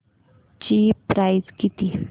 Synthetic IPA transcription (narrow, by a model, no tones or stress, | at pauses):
t͡ɕiːpɾajzkit̪i